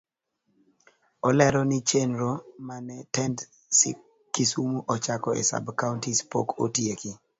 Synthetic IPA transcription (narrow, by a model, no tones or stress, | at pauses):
ɔlɛɾɔnɪt͡ʃenɾomanɛtɛnd | sɪ̰ | kisumuʔɔt͡ʃakɔɛ̰sa̰bkauntispo̰kotjekɪ